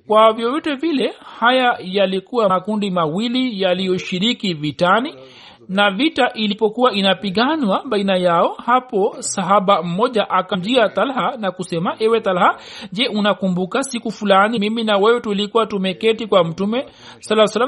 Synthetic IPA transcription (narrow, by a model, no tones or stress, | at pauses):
kwavjɔvɔtɛvilɛhajajalikuwakundimawilijalijɔʃiɾikivitani | navitaʔilipɔkuwaʔinapiɠanwaɓainajaɔhapɔsaɦaɓam̩mɔʄaʔakamd͡ʒiat̪alhanakusɛmaʔɛwɛt̪alhaʄɛʔunakumbukasikufulanimiminawɛwɛtulikuwatumɛkɛtikwam̩tumɛ | salːasalːa